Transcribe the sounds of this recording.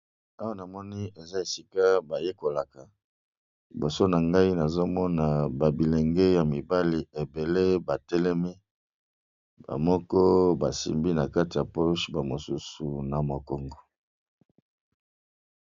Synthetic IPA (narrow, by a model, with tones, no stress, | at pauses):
a˦wa˦na˨mɔ˦ni˦e˨za˦e˨si˦ka˦ba˨je˦ko˨la˨ka˨ | bo˨so˦na˨ŋɡa˦i˦na˨zo˦mɔ˦na˨ba˨bi˨le˨ŋɡe˦ja˨mi˨ba˦li˨e˨be˨le˦ba˨tɛ˦lɛ˦mi˦ | ba̰˨mɔ˦kɔ˦ba˨sḭ˨mbi˦na˨ka˦ti˨ja˨po˦ʃba˨mo˨su˦su˨na˨mo˨ko˨ŋɡo˦